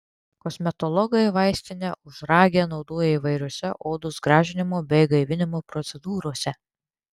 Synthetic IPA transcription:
kɔsʲmʲɛt̪ɔlˠɔɡɐjʋɑɪsʲt̪ʲɪnʲɛʔʊʒɾɑːɡʲɛnɒʊd̪oːjɛiʋɐɪɾʲoɔsʲɛʔoːd̪ʊsɡɾɑːʒʲɪnʲɪmoːbʲɛɪɡɐɪʋʲɪnʲɪmoːpɾɔt̪sʲɛd̪uːɾoɔsʲɛ

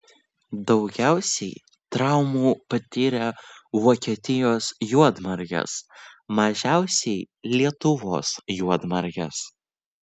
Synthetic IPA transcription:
d̪ɒʊɡʲæˑʊsʲɛɪ | t̪ɾɑʊmuːpɐt̪ʲɪɾʲɛʋoːkʲiɛt̪ʲɪjoːsjuɔd̪mɐɾʲjʲɛ̰smɐʒʲæˑʊsʲɛɪ | lʲiɛt̪ʊʋoːsjuɔd̪mɐɾʲɡʲɛ̰s

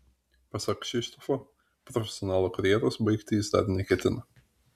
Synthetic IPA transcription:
pɐsɐkʃʲɪʃt̪ofo | pɾɔfʲɛsʲɪɔnɑːlˠoːkɐɾʲjɛːɾoːsbɐɪkt̪ʲɪjɪsd̪ɐ̰ɾnʲɛkʲɛt̪ʲɪnɐ

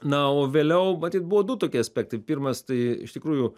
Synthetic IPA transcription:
nɐoːʋʲeːlʲɛʊmɐt̪ʲiːt̪̚bʊʋoːd̪ʊt̪oːkʲiɐsʲpʲæːk̚t̪ɐɪpʲiːrmɐst̪ɐɪɪ̰ʃt̪ʲɪkɾuːjʊ

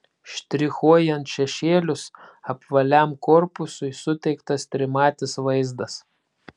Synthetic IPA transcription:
ʃʲt̪ʲɾʲɪxuɔjɛnt̪ʃʲɛʃʲeːlʲʊsɐpʋɐlʲæˑmkɔːɾpʊsʊɪsʊt̪ʲɛɪkt̪ɐst̪ʲɾʲɪmɑːt̪ʲɪsʋɐɪzd̪ɐs

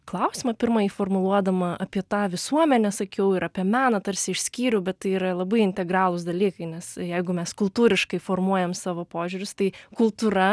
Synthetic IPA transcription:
klˠɐʊsʲiːmɐpʲɪɾmɐifoːrmʊlˠuɔd̪ɐmɐʔɐpʲiɛt̪ɑːʋʲɪsuɔmʲɛnʲɛsɐkʲɛʊɪɾɐpʲiɛmʲæːnɐt̪ɐɾʲsʲɪɪʃʲsʲkʲiːɾʲʊbʲɛt̪t̪ɐɪiːɾɐlˠɐbɐɪɪnʲt̪ʲɛɡɾɑːlˠʊs̬d̪ɐlʲiːkɐɪnʲɛsjɛɪɡʊmʲɛskʊlˠt̪uːɾʲɪʃkɐɪfoːrmuɔjɛmsɑːʋoːpoːʒʲʊɾʲʊst̪ɐɪkʊlˠt̪uːɾɐ

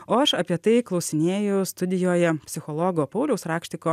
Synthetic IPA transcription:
oːɐʃɐpʲiɛt̪ɐɪklˠɒʊsʲɪnʲeːjʊst̪ʊd̪ʲɪjoːjɛpʲsʲɪxɔlˠɔɡoːpɐʊlʲɛʊsɾɑːkʃʲt̪ʲɪkoː

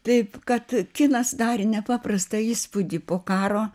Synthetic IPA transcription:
t̪ɐɪpkɐt̪kʲɪnɐsd̪ɑːɾʲɪnʲɛpɑːprɐst̪ɐiːspʊd̪ʲipoːkɑːɾoː

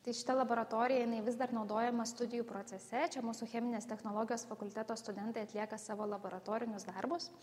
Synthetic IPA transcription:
t̪ɐɪʃʲɪ̥t̪ɐlˠɐboːɾɐt̪oːɾʲɪjɛjɪnɐɪʋʲɪzd̪ɐɾnɒʊd̪oːjɛmɐst̪ʊd̪ʲɪjuːpɾoːt̪sʲɛsʲɛt͡ʃʲɛmuːsʊxʲɛmʲɪnʲeːst̪ʲɛxnoːlˠoːɡʲɪjoːsfɐkʊlʲt̪ʲæt̪oːst̪ʊd̪ʲɛnt̪ɐɪɐt̪ʲlʲiɛkɐsɑːʋoːlˠɐboːɾɐt̪oːɾʲɪnʲʊsd̪ɐɾbʊs

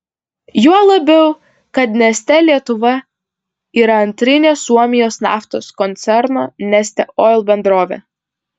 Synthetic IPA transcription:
juɔlˠɐbʲɛʊ | kɐt̪nʲɛsʲt̪ʲɛlʲiɛt̪ʊʋɐ | iːɾɐɐnʲt̪ʲɾʲɪnʲeːsuɔmʲɪjoːsnɑ̰ːft̪oːskɔnʲt̪sʲɛɾnoːnʲɛsʲt̪ʲɛʔoːɪlˠbʲɛnd̪ɾoːʋʲḛː

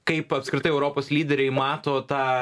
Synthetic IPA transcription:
kɐɪpɐpskɾʲɪt̪ɐɪɛʊɾoːpoːslʲiːd̪ʲɛɾʲɛɪmɑːt̪oːt̪ɑː

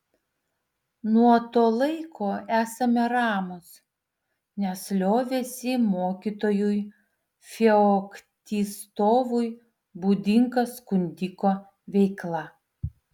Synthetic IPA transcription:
nuɔt̪oːlˠɐɪkʰoːæːsɐmʲɛɾɑːmʊs | nʲɛslʲoːʋʲeːsʲɪmoːkʲit̪oːjʊj | fʲɛɔkt̪ʲiːst̪oːʋʊj | buːd̪ʲɪŋkɐskʊnʲd̪ʲɪkoː | ʋʲɛɪklˠɐ

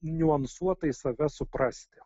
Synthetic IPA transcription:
nʲʊɐnsuɔt̪ɐɪsɐʋʲɛsʊpɾɑːsʲt̪ʲɪ

